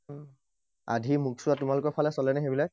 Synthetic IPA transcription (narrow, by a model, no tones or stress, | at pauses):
a̰dʱimuksʊwatʊmalʊkɔɹpʰalɛsɔlɛnɛxebilɔ